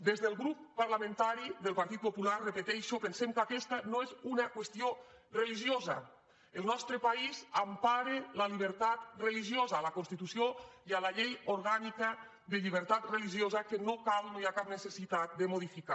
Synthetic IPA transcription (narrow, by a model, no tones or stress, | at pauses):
d̪ezðəlˠɣɾupːaɾlamẽnt̪aɾiðəlˠpaɾt̪it̪popularəpət̪ɛʃopənsemkakɛst̪anoezunakwəst̪iorəliʒiozɐ̰ | əlˠnɔst̪ɾəpaizampaɾeləliβ̞əɾt̪at̪rəliʒiozaːlakonst̪it̪usioialaʎejoɾɣanikə | ðəʎiβ̞əɾt̪at̪rəliʒiozakənokalnojakap̚nəsəsit̪at̪̚d̪əmoðifika